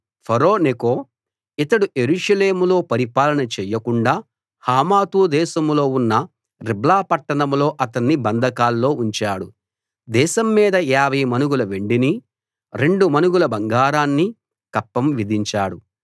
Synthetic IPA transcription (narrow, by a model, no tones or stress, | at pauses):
pʰɐɾoːnekoː | it̪ɐɽuʔe̞ɾuːʂɐleːmulo̞ːpɐɾipaːlɐnɐt͡ʃɛːjːɐkuɳɖaː | haːmaːt̪uːd̪ɛːʃɐmlo̞ːunːɐ | ɾiblaːpɐʈːɐɽɐmlo̞ːʔɐt̪ɐnːibɐnd̪ʱɐkaːlːo̞ːuɲt͡ʃaːɽu | d̪ɛːʃɐmːiːd̪ɐjaːbɐjɐmɐnuɡulɐʋe̞ɳɖini | ɾe̞ɳɖumɐnuɡulɐbɐŋɡaːɾaːnːi | kɐpːɐmʋid̪ʱiɲt͡ʃaːɽu